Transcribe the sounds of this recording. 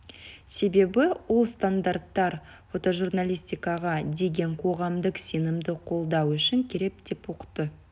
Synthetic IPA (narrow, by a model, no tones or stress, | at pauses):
se̞be̞bɪwolˠst̪and̪art̪ːɑɾ | fo̞t̪o̞ʒurnalʲist̪ʲijkɑʁɑd̪e̞ɡʲe̞ɴqʰo̞ʁɑmd̪əqse̞nɪmd̪ɪqʰo̞lˠd̪ɑwʏʃɪŋkʲʰe̞ɾe̞p̚d̪̥e̞pwo̞qə̥t̪ːə